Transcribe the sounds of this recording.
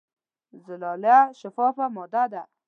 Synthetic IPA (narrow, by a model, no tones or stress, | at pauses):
zɪlɑlaʃafɑfamɔd̪ad̪a